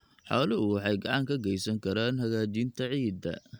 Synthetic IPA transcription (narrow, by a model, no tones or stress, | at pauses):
ħaːlɐʊwɑħɑjɡɑʕɑŋkʰɐɡɛjsɐŋkʰɐɾaːnɦɐɣaːt͡ʃint̪ʰɐʕiːd̪ɐ̰